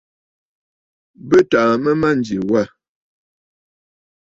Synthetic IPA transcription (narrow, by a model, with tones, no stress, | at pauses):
bə˦ta˨mə˦ma˦n̩˨d͡ʒi˨wa˦˨